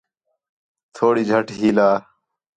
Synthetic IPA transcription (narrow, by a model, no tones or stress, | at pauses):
t̪ʰoːɽiːd͡ʒʱəʈʰɦiːlaː